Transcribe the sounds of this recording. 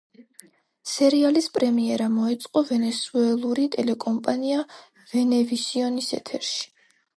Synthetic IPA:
sɛɾialispʼɾɛmiɛɾamɔɛt̪sʼqʼɔvɛnɛsuɛlˠuɾit̪ʼɛlɛkʼɔmpʼania | vɛnɛvisiɔnisɛ̰t̪ʰɛɾʃi̥

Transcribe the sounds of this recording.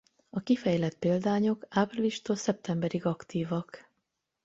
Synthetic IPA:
ɒkifɛjlɛt̪̚peːld̪aːɲo̞kaːpriliʃt̪oːlsɛp̚t̪ɛmbɛɾiɡɒkt̪iːvɒk

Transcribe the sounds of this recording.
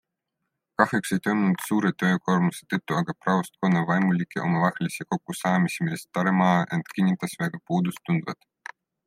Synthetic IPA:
kɑhjekse̞jt̪ojmunut̪suːɾet̪ø̞ːko̞rmuset̪ɤt̪ːuɑɡ̥ɑprɑvɑst̪̚konːɑvɑjmulʲikːˑeʔo̞̰mɑvɑhlisiko̞kːusɑːmisimilest̪ːɑɾemɑːʔe̞nt̪kinʲːit̪ːˑɑsvæɡ̥ɑpuːd̪ust̪ːund̪vɑ̰t̪

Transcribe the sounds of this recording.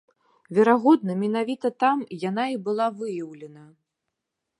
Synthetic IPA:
vʲɛɾaɣɔd̪nɐmʲɛnavʲit̪ɐt̪amjan̪aibɨlˠavɨjɐwlʲɛnɐ

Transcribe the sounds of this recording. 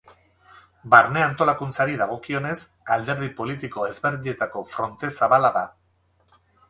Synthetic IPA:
baɾne̞ant̪o̞lakunt͡saɾiðaɣ̞o̞kio̞ne̞s | ald̪e̞ɾðipo̞lit̪iko̞e̞zβe̞ɾðie̞t̪ako̞fɾo̞nt̪e̞saβalaða

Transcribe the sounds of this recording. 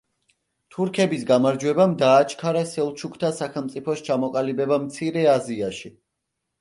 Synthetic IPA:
t̪ʰuɾkʰɛbisɡamaɾd͡ʒwɛbamd̪aːt͡ʃʰkʰaɾasɛlˠt͡ʃʰukʰt̪ʰasaχɛlˠmt̪sʼipʰɔst͡ʃʰamɔkʼalibɛbamt̪sʰiɾɛaziaʃi

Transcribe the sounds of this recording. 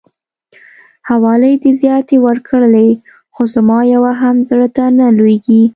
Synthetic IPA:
hawɑləjd̪ezjɑt̪ewəɾkʰəɽle | xozamɑjawaɦamzəɽət̪analweɡi

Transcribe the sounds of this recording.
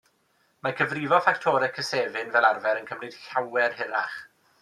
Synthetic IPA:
makʰəvrivɔfaktʰɔːɾɛkʰəseːvɪnvɛlˠarvɛɾənkʰəmrɨd̥ɬawɛrhɪɾa̰χ

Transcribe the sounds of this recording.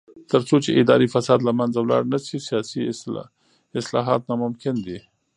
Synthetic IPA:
t̪əɾt͡sot͡ʃeʔɪd̪ɑɾifasɑd̪lamanzawlɑ̰ɽnasisijɑsi | ɪslɑ̰ɦɑt̪nɑmʊmkɪnd̪i

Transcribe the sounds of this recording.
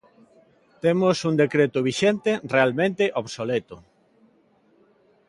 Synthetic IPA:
t̪emosund̪ekɾet̪ʊβiʃent̪erealmẽnt̪eʔoβsolet̪o

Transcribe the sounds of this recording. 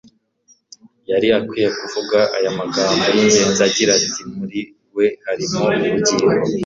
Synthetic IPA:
jaɾiakwiːjekuvuɡaʔajamaɡaːmbojiɲɟe̞ːnzaɟiɾatimuɾi | we̞haɾimouɾuɟiɾo

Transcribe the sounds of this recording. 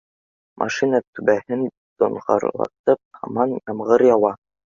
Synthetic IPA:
mʔɑ̰ʃinɑt̪ʉbæhɘn | d̪ŏɴʁɑ̰ɾlˠɑ̰t̪ɤp̚hɑ̰mɑnjɑmʁɤɾjɑwɑ

